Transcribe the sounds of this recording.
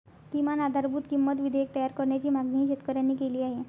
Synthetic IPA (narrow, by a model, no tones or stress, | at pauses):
kimanad̪ʱaɾbʱuːt̪kimːət̪ʋid̪ʱeek̚t̪əjaɾkəɾɳjat͡ɕiːmaɡniɦiːɕet̪kəɾjanikeliːaɦe